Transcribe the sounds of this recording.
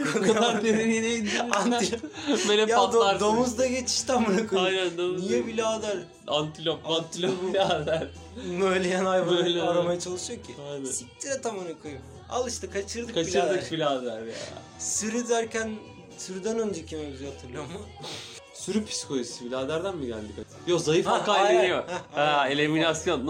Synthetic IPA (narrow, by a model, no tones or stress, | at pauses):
kad̪eniinejid̪ant̪imelɛjaad̪oaɾd̪omuzd̪aɟe̞t͡ʃʰi̥ʃt̪ʰamuɾakʰujajnænd̪omnijɛbilʲaːd̪æɾ | ant̪ʰilʲopant̪ʰilʲobilʲad̪æɾ̥ | nø̞jlʲejænajvalaɾamajat͡ʃʰalˠɯʃɯjocʰianɛsit̪ʰiɾɛt̪ʰamɯɾakʰoju | a̰lˠɯʃt̪akʰat͡ʃʰɯɾd̪ɯkʰat͡ʃiɯɾd̪ɯkbilʲaːd̪æɾja̰ | syɾyd̪æɾcʰæn | syɾyd̪ænønd͡ʒecʰimebizat̪ʰɯɾlˠjomʊ | syɾypʰi̥skʰojisibilʲaːd̪æɾd̪ænbid̪æ̰nd̪ikat̪jozajɯfakajlenijoaelʲeminasjonː